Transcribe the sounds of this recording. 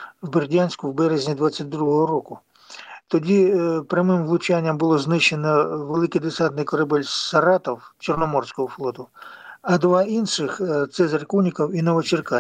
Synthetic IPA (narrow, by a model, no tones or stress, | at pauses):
wbɪrdʲanʲsʲkʊwbɛɾezʲnʲid̪ʋat͡sʲːat̚ʲd̪ɾuɦɔɦɔɾɔkʊ | t̪ɔdʲipɾʲɐmɪmʋlˠʊt͡ʃanʲːɐmbʊlˠɔznɪʃːenɔʋelˠɪkɪjd̪ɪsat̪nɪjkɔɾɐbɛlʲsɐɾɑt̪ɔwt͡ʃɔrnɔmɔrsʲkɔɦɔflˠɔt̪ʊɐd̪ʋɑinʃɪxt̪sɛzɐrkunʲikɔwinɔʋɔt͡ʃɪrkɑ